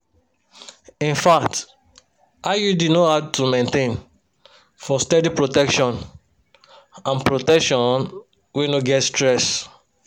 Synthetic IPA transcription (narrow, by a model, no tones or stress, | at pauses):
ĩnfak̚t | ajudinohaʊtumẽntẽn | fɔstɛdipɹotɛkʃɔ̃n | ãnpɹotɛkʃɔ̃n | wenoɡɛtstɹɛs